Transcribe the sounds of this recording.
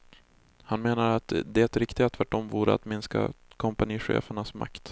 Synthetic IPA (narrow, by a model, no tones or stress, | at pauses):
hanmeːnaɾat̪d̪ɛɛt̪ɾɪkt̪ɪɡat̪ʰvæʈːɔmvuːɾə̰a̰t̪mɪnska̰kʰɔmpaniːɧḛːfəɳasma̰kt̪